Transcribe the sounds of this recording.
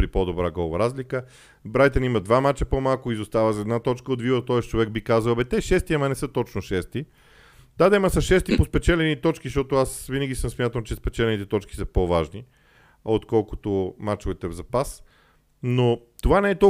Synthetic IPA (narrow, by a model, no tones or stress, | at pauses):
pɾipod̪obɾaɡɔvɐɾazlikə | bɾajt̪ɛnimɐd̪vamat͡ʃəpomalˠkʊizost̪avəzɐɛd̪nat̪ɔt͡ʃkəod̪vivət̪ɔɛst͡ʃovɛɡ̚bikazəlbɛt̪ɛʃɛst̪iɐmɐnɛsɤt̪ɔt͡ʃnoʃɛst̪i | d̪ad̪ɛməsɐʃɛst̪ipospɛt͡ʃɛlɛnit̪ɔt͡ʃkiʃtɔt̪oasvinəɡʲisəmsmʲjat̪əlˠt͡ʃɛspɛt͡ʃɛlɛnit̪ɛt̪ɔt͡ʃki̥səpovaʒni | ot̪kɔlˠkʊ̥t̪omat͡ʃovɛt̪ɛvzɐpas | not̪ovanɛɛt̪ɔ